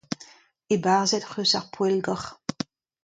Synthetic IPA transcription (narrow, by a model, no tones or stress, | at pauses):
ebaʁzɛtχøsaʁpʰwɛlɡəχ